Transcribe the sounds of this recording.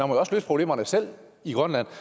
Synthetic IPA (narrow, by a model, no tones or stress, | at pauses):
ænmɒjɒ̽slø̰ːspʰʁo̝ble̝̰ːmɐnəsel̰ | iɡ̥ʁœnlæn̰